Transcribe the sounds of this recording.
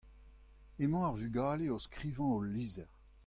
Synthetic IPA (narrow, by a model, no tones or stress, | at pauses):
emɑ̃aʁvyɡaːleoskχiːvɑ̃oliːzɛʁ